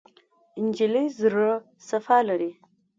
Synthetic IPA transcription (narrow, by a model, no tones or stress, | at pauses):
ɪnd͡ʒiləjzɾə | safɑlaɾi